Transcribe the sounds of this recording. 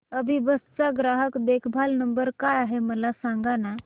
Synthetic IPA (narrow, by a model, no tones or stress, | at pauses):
əbʱibəst͡saɡɾaɦəkd̪ekʰbʱalnəmbəɾkajaɦeməlasãŋɡana